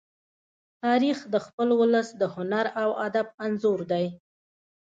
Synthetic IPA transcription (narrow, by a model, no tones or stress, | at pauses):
t̪ɑɾixd̪əxpəlwʊləsd̪əhʊnaɾawad̪abanzoɾd̪aj